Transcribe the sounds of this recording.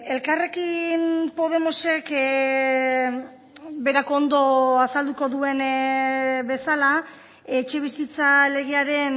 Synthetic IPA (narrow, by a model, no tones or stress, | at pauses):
e̞lkare̞kinpo̞ð̞e̞mo̞se̞k | be̞ɾako̞nd̪o̞asald̪uko̞ðue̞n | be̞sala | e̞t͡ʃe̞β̞isit͡sale̞ɣ̞eaɾe̞n